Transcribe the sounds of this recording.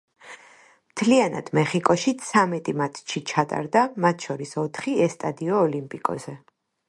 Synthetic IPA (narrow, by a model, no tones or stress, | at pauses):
mt̪ʰliana̰d̪̥mɛχikʼɔʃit̪sʰamɛt̪ʼimat̪ʰt͡ʃʰit͡ʃʰat̪ʼa̰ɾd̪amat̪ʰʃɔɾisɔt̪ʰχiɛst̪ʼad̪iɔːlimpʼikʼɔ̰zɛ